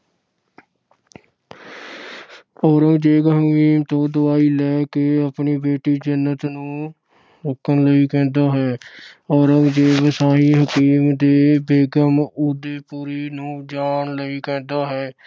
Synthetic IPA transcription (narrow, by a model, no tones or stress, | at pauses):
ɔːɾəŋd͡ʒeːɡɦəkiːmt̪õːd̪ʊaːiːlɛːkeːəpɳiːbeːʈiːd͡ʒənːət̪nũː | ɾʊkʰːənləiːkɛ̃ːnd̪aːɦɛːɔːɾəŋd͡ʒeːʋəsaːɦĩːɦəkiːmd̪eːbeːɡəmud̪eːpuːɾiːnũːd͡ʒaːnləiːkɛ̃ːnd̪aːɦɛː